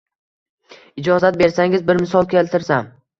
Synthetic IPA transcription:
ɪd͡ʒɒzat̪̚be̞ɾsaŋɪzbɪɾmɪsɒlˠkʲʰe̞lt̪ʰɪɾsam

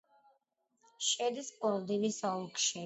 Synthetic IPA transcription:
ʃɛd̪ispʼɔld̪inisaukʰʃɛ

